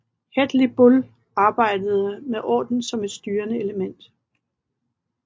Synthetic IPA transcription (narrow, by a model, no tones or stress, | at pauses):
hed̥lib̥ul | ɑ̈ːb̥ɑ̈ɪ̰d̥əð̞̩ˠəmeʔɒ̰ːd̥n̩sɒ̽me̝d̥sd̥yːɐnəe̝ləmen̰d̥